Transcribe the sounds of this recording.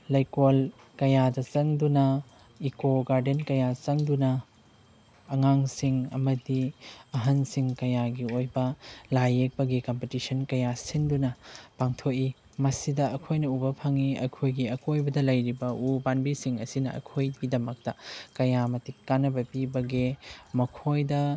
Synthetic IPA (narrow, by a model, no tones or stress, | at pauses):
lɐjkol | kɐjadɐt͡ʃɐŋdunɐ | ikoɡaɾdenkɐjat͡ʃɐŋdunɐ | ŋaŋsiŋɐ̰mɐdiɐɦɐnsiŋkɐjaɡiojbɐlajek̚bɐɡikompetisɐnkɐjasindunɐpaŋtʰoki | mɐsidɐɐkʰojnɐubɐpʰɐŋiɐ̰kʰojɡiɐkojbɐdɐlɐjɾibɐubanbisiŋɐsinɐɐ̰kʰojɡidɐmɐk̚tɐkɐjamɐtikːanːɐbɐpibɐɡemɐkʰojdɐ